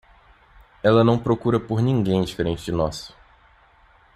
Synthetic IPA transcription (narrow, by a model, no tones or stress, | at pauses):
ɛlɐnɐ̃w̃pɾokuɾɐpoɾnĩŋɡẽj̃d͡ʒifeɾẽnt͡ʃɪd͡ʒɪnɔsʊ̥